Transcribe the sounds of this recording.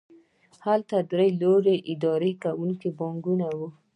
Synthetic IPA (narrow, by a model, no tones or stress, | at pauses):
halt̪ad̪ɾəjloɾeʔɪd̪ɑɾekawuŋkibɑŋɡunawu